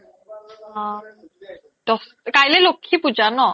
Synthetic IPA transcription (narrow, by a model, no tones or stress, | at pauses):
d̥ɔs | kajlɛlokʰːipuzanɔ